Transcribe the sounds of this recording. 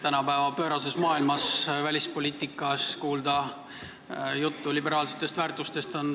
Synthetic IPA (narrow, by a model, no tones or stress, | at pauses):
t̪ænɑpæevɑpø̞ːɾɑs̬e̞smɑːilmɑsvælʲispo̞lʲiːt̪ːˑikːˑɑskuːld̪ɑ | jut̪ːulʲibe̞ɾɑːlset̪ːˑe̞st̪væːrt̪ːˑust̪e̞st̪o̞n